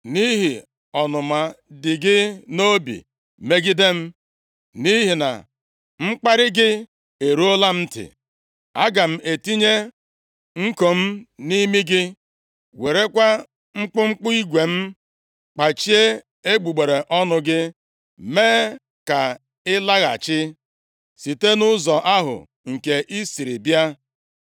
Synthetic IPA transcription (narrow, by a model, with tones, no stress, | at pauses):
ni˦ɦi˨ | ɔ˨nʊ˨ma˨dɪ˨ɡɪ˦no˦bḭ˨ | me˦ɡɪ˦de˦m̩˦ | ni˦ɦi˨na̰˨ | ŋ͡m̩˦k͡pa˦ɾɪ˦ɡɪ˦ | e˨ɾu˦o˦la˦m̩˦tɪ̰˨ | a˦ɡa˨m̩˦ʔe˨ti˦ɲe˦ | ŋ̩˦ko˨m̩˦ni˦mi˦ɡɪ˦ | we˨ɾe˦kʷa˦ | ŋ͡m̩˦k͡pʊ˦ŋ͡m̩˦k͡pʊ˦i˦ɡʷe˨m̩˦ | k͡pa˨t͡ʃi˦e˦ | e˦ɡ͡bu˨ɡ͡be˨ɾe˨ʔɔ˦nʊ˦ɡɪ˦ | meː˦ | ka˨ | ɪ˦la˦ɣa̰˨t͡ʃɪ˦ | si˨te˦nʊ˦zɔ˨ʔa˦ɦʊ̰˨ | ŋ̩˨ke˨ʔi˦si˨ɾi˨bja˦